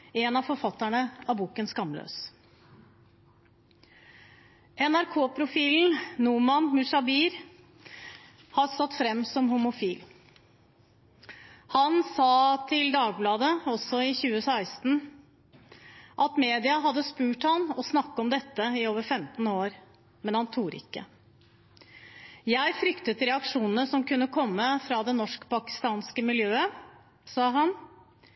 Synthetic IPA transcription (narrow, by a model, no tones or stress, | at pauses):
ɛnɑfɔɾfɑt̪ːæɳəɑbuːkənskɑmːlø̰ːs | ʔɛnæɾkʰoːpʰɾʊfiːln̩numɑnmʉʂɑbiːɾ | hɑɾsɑt̪ːfɾɛmːsɔmɦʊmʊfiːl | hɑnsɑːt̪ʰɪld̪ɑːɡ̚blɑːd̪əɔsɔɪçʉːəsæɪst̪n̩ | ʔɑt̪meːd̪ɪɑɦɑd̪ːəspʉːʈhɑnɔsnɑkːəɔmd̪ɛt̪ːəɪoːʋəɾfɛmt̪n̩oːɾ | mɛnhɑnt̪ʰuːɾɪ̰kːə̰ | jæɪfɾʏkt̪ət̪ɾɛɑkʂuːnənəsɔmkʉnːəkʰɔmːəfɾɑd̪ɛnɔʂkpɑkɪ̥st̪ɑːnskəmɪljøːə | sɑːɦɑn